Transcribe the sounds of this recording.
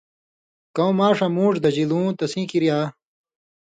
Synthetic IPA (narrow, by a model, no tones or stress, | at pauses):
kɐw̃maːʂɐmũːʂd̪ɐd͡ʑilũːt̪ɐsĩkiɾjaː